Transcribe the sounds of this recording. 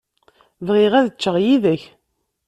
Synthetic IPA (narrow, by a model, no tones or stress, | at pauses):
vʁiʁæðət͡ʃːəʁjiðəç